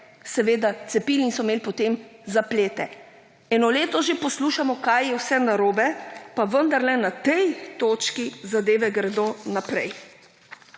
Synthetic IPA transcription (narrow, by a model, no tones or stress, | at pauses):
sɛʋeːd̪at̪sɛpiːlinsɔmeːlpɔt̪eːmzapleːt̪ɛ | ɛːnɔleːt̪ɔʒepɔsluːʃamɔkajjɛwsɛnaɾoːbɛpaʋənd̪aɾlɛnat̪ɛjt̪oːt͡ʃkizad̪eːʋɛɡɾɛd̪onapɾɛj